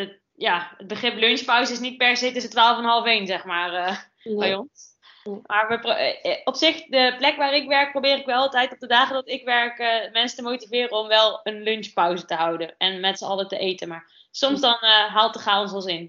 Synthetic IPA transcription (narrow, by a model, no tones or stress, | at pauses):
ə | jaːəd̚bəχrɪplønspʌwzəɪsnit̚pɛɹsejtɵs̬ətʋaːlˠəfnəɦɑlˠəfejnzɛχmaːrə | bajɔns | maːɹʋəprɔpsɪχdəplɛkʋaːɾɪkʋɛɹk̚prowbɪːɾɪkʋɛlˠɑlˠtɛjtɔp̚dədaːχədɑtɪkʋɛɹkəmɛnsə̥təmowtivɪːrəɔmʋɛlˠənlønʃpʌwzətəɦʌwdənɛnmɛtsəɑlətəʔejtənmaːɹ | sɔmzdɑnɦaːlˠt̚dəχaːlˠɔnsɑlˠsɪn